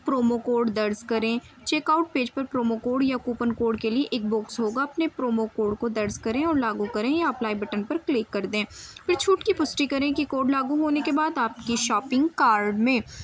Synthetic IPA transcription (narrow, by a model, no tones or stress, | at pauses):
pɾoːmokoːɾɖd̪ɐɾzkɐɾẽː | t͡ʃeːkaːʊʈ̚peːd͡ʒpɐɾpɾoːmokoːɖjakuːpənkoːɖkelieʔeːk̚bʊksɦoːɡaɐpnepɾoːmokoːɖkod̪ɐɾzkɐɾẽɔːɾlaːɡukɐɾẽjaɐplaːibəʈənpɐɾklɪkːɐɾd̪ẽːpʰɪɾt͡ʃʰuːʈkipʊsʈikɐɾẽkikoːɾɖlaːɡuɦoːnekebaːd̪aːp̚kiʃɔːpɪ̃ŋɡkaːɾɖmẽː